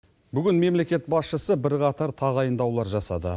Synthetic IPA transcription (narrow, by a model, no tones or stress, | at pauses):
bʏɡʲɪnme̞mle̞kʲe̞t̪̚bɑsʃəsəbɪɾqɑt̪ɑɾt̪ʰɑʁɑjənd̪ɑwlˠɑɾʒɑsɑ̰d̪ə̰